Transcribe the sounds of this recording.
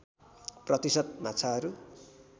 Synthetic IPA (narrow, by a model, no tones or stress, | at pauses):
prʌt̪isʌd̪̚mat͡sʰaɦʌɾu